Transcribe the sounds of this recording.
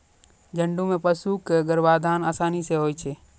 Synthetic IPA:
d͡ʒə̃ɳɖũmẽpəsukeəɡəɾʋaːd̪ʱaːnaːsaːniseɦoːjt͡ʃʰeː

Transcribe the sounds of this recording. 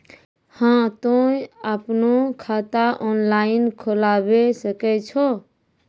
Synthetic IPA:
hãt̪ojəpnokʰat̪aʔɔnlainkʰolabesəkɛt͡ʃʰo

